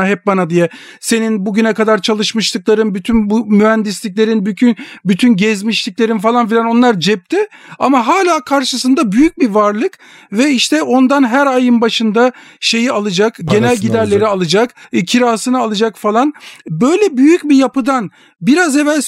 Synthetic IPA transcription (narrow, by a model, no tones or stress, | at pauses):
aɦɛp̚banad̪ijɛ | se̞ninbuɟynɛkad̪aɾt͡ʃʰalˠɯʃmɯʃt̪ɯklˠaɾɯnbyt̪ʰynbumyɦænd̪islʲic̬̚ʲlʲe̞ɾinbycʰynbyt̪ʰynɟɛzmiʃlʲicʲlʲe̞ɾinfalˠanfilʲano̞nlˠaɾd͡ʒɛp̚t̪ʰɪa̰maɦaːlʲaːkʰaɾʃɯsɯnd̪abyjyc̚bivaɾlˠɯk | vɛiʃt̪ʰɛʔo̞nd̪anɦæɾajɯnbaʃɯnd̪a | ʃe̞jialˠɯd͡ʒakɟe̞nælʲɟid̪æɾlʲe̞ɾialˠɯd͡ʒakcʰiɾaːsɯnɯalˠɯd͡ʒakfalˠanbø̞jlʲɛbyjycbijapɯd̪an | biɾaze̞vælʲ